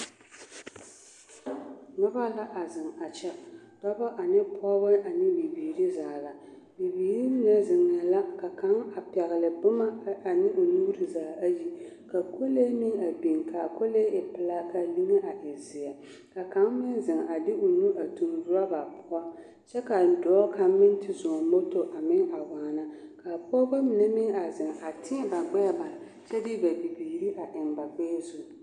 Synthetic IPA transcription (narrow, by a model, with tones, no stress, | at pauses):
nɔ˦ba˦la˦ʔa˨zɨ˨ŋa˨t͡ʃɛ˦dɔ˦ba˦ʔa˨nɨ˦pʰɔ˦bɨ˦ʔa˨nɪ˦bi˨biː˨ɾɨ˦zaː˨la˨ | bi˨biː˨ɾi˦nɛ˦zɪ˨ŋːa˨la˦ka˨ka˨˦ŋa˨pɛ˨ɣɨ˨lɨ˨bʊ˦ma˦a˨nɪ˦ʔo˨nuː˦ɾɨ˨zaː˨a˦ji˦ | ka˨kʰo˦le˦mɪ˦ŋa˨bi˨ŋka˨kʰo˦le˦ɪ˨pɨ˦la˦ka˨li˦ŋɛ˦ʔa˨ʔɪ˨zɪ˨a˨ | ka˨ka˦ŋmɪ˦nzɪ˨ŋa˨dɪ˦ʔo˨nu˦ʔa˨tu˨mvʊ˦a˦ba˨pʰʊ˦a˦ | t͡ʃɛ˦ka˨dɔ˨ɔ˦ka˨˦mɪ˦n˦tɪ˨zʊ˨mo˦to˨ʔa˨mɪ˦ŋa˨waː˨na˦ka˨pːba˦mɪ˨nɛ˦mɪ˦ŋa˨zɪ˨ŋa˨tʰɪ˦ɛ˦ba˨ɡ͡bɛ˦ba˨ | t͡ʃɛ˦dɪ˦ba˨bi˨biː˨ɾi˦ʔa˨ʔɪ˨nba˨ɡ͡bɛ˦zu˦